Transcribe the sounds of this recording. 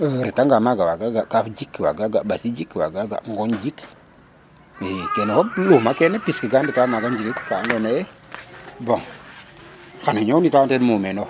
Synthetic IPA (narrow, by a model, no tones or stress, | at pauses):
ɾitaŋɡamaɡawaɡaɡakafd͡ʒikwa̰ɡaɡabasid͡ʒikwa̰ɡaɡa̰ʔŋɡɔnd͡ʒik | kɛnɛkɔluhmakɛnɛpiskiɡanditamaɡand͡ʒikikkaandonajɛ | boŋ | kanaɲonitantɛnmumeno